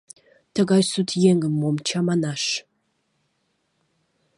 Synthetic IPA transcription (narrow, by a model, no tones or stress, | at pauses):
tʰɐɡajsutʰjeŋɨmːomt͡ʃʰamanaʂ